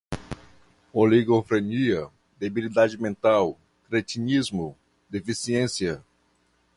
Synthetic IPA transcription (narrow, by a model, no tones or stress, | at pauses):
oliɡofɾeniɐ | d̪ebilid̪ad͡ʒɪmẽnt̪aw | kɾet͡ʃinizmʊ | d̪efisiẽsjɐ